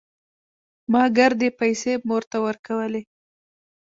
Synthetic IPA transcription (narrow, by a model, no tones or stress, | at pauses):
mɑɡaɾd̪epajsemoɾt̪awəɾkawəle